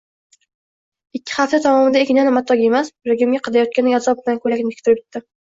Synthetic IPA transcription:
ɪkʲːɪ̥χaft̪at̪ʰɒmɒmɪd̪aekʲɪnanɪmat̪ʰːɒɡʲe̞masɾeɡʲmɡʲaqʰɑd̪ajɒt̪̚kʲanɪazɒb̚bɪlankʰɵlakʲnɪk̚ʲt̪ʰʊɾɪp̚ʲɪ̥t̪ːɪ

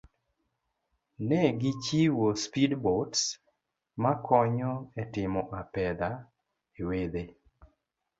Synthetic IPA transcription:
nɛɡit͡ʃiwospidbots | makʰɔɲɔɛtɪmɔʔapɛd̪a | ewed̪e

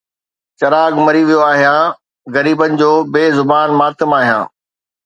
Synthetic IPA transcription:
t͡ɕɐɾaːɡmɐɾiʋijoaːɦijãː | ɣɐɾiːbənɪ̆d͡ʑoːbeːzʊbaːnmaːt̪ɪmaːɦjã̰ː

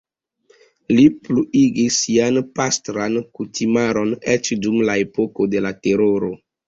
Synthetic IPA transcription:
lipluʔiɡisːianpastɾankutʰimaɾo̞net͡ʃdumlae̞poko̞de̞late̞ɾoɾo

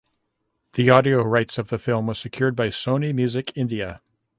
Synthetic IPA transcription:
ðiɑɾioʊɹaɪtsʌvðɨfɪlˠmwə̥˞sɨkʰj̥ʊɹd̚baɪsõʊ̃nimjʉzɨkʰɪ̃ndiɨ

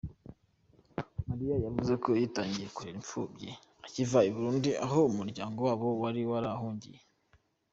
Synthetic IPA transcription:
maɾijajavuze̞kʰo̞jitaːɲɟije̞kuheɾiɱfuːbɟe | acivaiβuɾuːndiʔa̰ɦo̞umuɾɟaːŋɡowaːβo̞waɾiwaɾahuːɲɟḭje

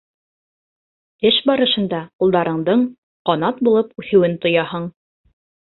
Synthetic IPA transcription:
ɘʃbɑɾɤ̆ʃɤ̆nd̪ɑqulˠd̪ɑɾɤ̆ɴd̪ɤɴ | qɑnɑt̪̚bulˠɤpʉθɘ̆wɘnt̪ŏjɑhɤɴ

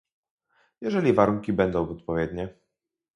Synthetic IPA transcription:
jɛʐɛlʲivaɾuŋkʲibɛnd̪ɔ̃w̃vɔt̪̚pɔvʲjɛd̪ɲɛ

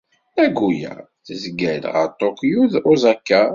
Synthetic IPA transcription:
æɡujæ̰ | θəzɡælʁə̰ɾt̪ˤːokjuðʊzækːæ

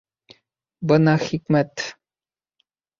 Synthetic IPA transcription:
bənaxikmɛt̪

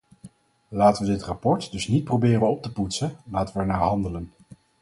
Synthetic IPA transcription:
laːtəʋədɪtrapɔɹtdɵsnit̚probɪːrənɔp̚təputsəlaːtəʋəɛɹnaːɦɑndələn

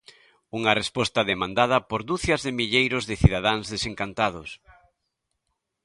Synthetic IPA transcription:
uŋɐrespɔst̪ɐðemãnd̪að̞ɐpoɾd̪uθjɐzðɪmiʎejɾʊzðɪθiðaðaŋzðeseŋkant̪aðʊs

